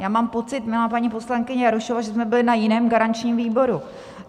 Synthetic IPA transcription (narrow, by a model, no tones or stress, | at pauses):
jaːmaːmpo̞t͡sɪt̪mɪlaːpaɲiːpo̞slaŋkɪɲɛjaɾuʃovaʒɛsmɛbɪlɪnajɪnɛːmɡaɾant͡ʃɲiːmviːbo̞ɾu